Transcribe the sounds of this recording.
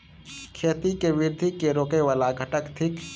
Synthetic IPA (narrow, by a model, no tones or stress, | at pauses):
kʰeːt̪ikeʋɪɾd̪ʱikeɾoːkeʋaːlaɡʱəʈəkt̪ʰɪk